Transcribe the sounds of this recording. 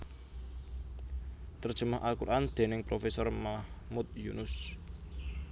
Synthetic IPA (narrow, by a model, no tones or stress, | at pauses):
t̪ərd̥ʒ̥ə̤maɦʔalkurʔand̪̥e̤nɪŋpɾofesɔrmahmut̪̚junʊs